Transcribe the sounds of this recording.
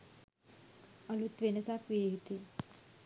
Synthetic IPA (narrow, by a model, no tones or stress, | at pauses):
əlut̪ʋenəsakʋijeɦit̪e